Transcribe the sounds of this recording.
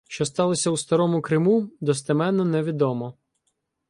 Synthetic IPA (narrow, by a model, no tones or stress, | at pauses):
ʃt͡ʃɔst̪ɑlˠɔsʲɐwst̪ɐɾɔmʊkɾɪmud̪ɔs̬t̪ɪmɛnːɔnɛʋʲid̪ɔmɔ